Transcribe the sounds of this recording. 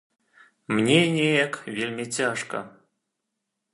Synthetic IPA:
mnʲenʲeekvʲelʲmʲetʲeʂkə̰

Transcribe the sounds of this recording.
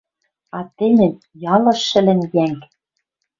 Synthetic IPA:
ɑt̪ɘ̆nʲɘ̆n | jɑlɤ̆ʃɘ̆lɘ̆njæŋk

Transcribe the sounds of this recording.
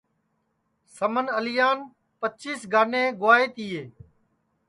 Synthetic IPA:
səmənəlɪjaːn | pət͡ʃiːsɡʱaːneːɡʊʋaːeːt̪iːjeː

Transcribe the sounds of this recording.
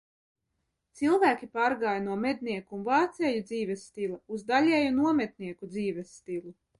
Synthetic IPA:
t̪silˠvæːkʲipaːɾɡaːjnuɔmed̪̚niɛkuːnvɑːt̪sɛjud̪ziːvɛsːt̪ilˠauzd̪alʲɛjunuɔmɛt̪niɛkud̪ziːvɛsːt̪ilˠu

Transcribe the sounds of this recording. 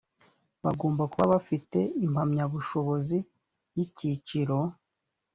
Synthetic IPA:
βaɡo̞ːmbakuβaβafite̞im̥amɲaβuʃo̞βo̞zi | jicit͡ʃiɾo̞

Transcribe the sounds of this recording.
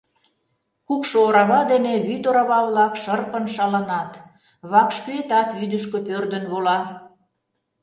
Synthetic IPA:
kukʃooɾɑβɑd̪eneβyt̪oɾɑβɑβlɑkʃərpənʃɑlɑnɑt̪ | βɑkʃkyet̪ɑt̪βyd̪əʃkøpørd̪ə̆nβolɑ

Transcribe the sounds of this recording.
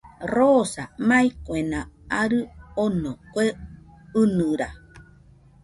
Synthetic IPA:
rosamãikʷenãaɾɨonokʷe | ɨnɨɾa

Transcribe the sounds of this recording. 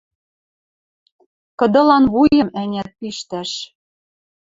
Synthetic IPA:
kɤ̆d̪ɤ̆lɑnβujɤ̆mænʲæt̪̚piʃt̪æʃ

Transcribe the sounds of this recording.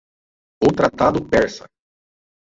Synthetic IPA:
ot̪ɾat̪ad̪ʊpɛɾsɐ̰

